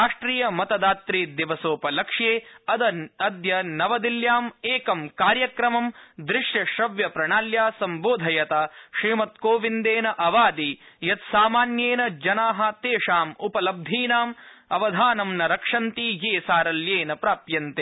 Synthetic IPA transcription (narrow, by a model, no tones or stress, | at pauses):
aːʂʈɾiːjɐmɐt̪ɐd̪aːt̪ɾiːd̪iʋɐsoːpɐlɐkʂjeːɐd̪ɐɐd̪jɐnɐʋɐd̪iljaːmeːkɐmkaːɾjɐkɾɐmɐmd̪ɾɪʂjɐʃɾɐʋjɐpɾɐɳaːljaːsɐmboːd̪ʱɐjɐt̪aʃɾiːmɐt̪koːʋind̪eːnɐʔɐʋaːd̪ijɐt̪saːmaːnjeːnɐd͡ʒɐnaːɦɐt̪eːʂaːmupɐlɐb̚d̪ʱiːnaːmɐʋɐd̪ʱaːnɐmnɐɾɐkʂɐnt̪ijeːsaːɾɐljeːnɐpɾaːpjɐnt̪e